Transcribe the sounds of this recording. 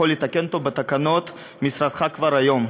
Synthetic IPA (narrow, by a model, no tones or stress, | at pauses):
o̞let̪ake̞nt̪ovbet̪akano̞t̪ | misɾad̪χakvaɾajo̞m